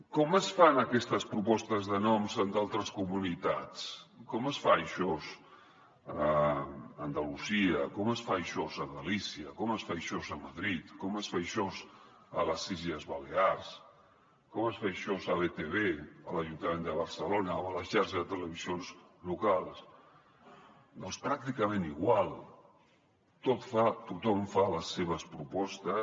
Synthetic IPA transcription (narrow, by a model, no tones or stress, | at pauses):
kɔməsfanəkɛst̪əspɾupɔst̪əzðənɔmzənd̪alˠt̪ɾəskumunit̪at͡skɔməsfajʃɔz | əː | nd̪əluziəkɔməsfajʃɔzəðəlisiəkɔməsfajʃɔzəməðɾit̪kɔməsfajʃɔz | ə̰ləsiʒəzβaleaɾs | kɔməsfajʃɔzəβet̪eβeələʒunt̪əmẽnd̪əβ̞əɾsəlonəːmələʃaɾʃəzət̪ələβizionz | lukalˠs | d̪ɔnspɾak̚t̪ikəmẽniɣwalˠ | t̪ot̪fat̪ut̪ɔmfaləsːeβ̞əspɾupɔst̪ə